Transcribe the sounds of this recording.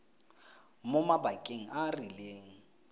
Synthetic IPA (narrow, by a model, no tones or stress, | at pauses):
momabakʼeŋ̩ʔarileːŋ̩